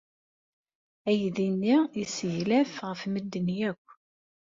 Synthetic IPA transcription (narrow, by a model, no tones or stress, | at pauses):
æjðinːiisʝlæfʁəfməd̪ːənjækʷː